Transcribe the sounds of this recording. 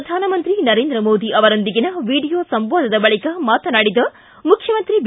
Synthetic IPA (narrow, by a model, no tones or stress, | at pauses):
ɐd̪ʱaːnɐmɐnt̪ɾinɐɾeːnd̪ɾɐmoːd̪iʔɐʋɐɾond̪iɡinɐʋiːɖijoːsɐmboːd̪ʱɐd̪ɐbɐɭikɐmaːt̪ɐnaːɽid̪ɐ | mukʰjɐmɐnt̪ɾib